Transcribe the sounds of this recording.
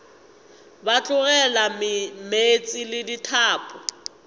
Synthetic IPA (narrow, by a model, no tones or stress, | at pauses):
bat͡ɬʼʊɣɛlamɪmet͡sʼɪlɪditʰaːpʰʼʊ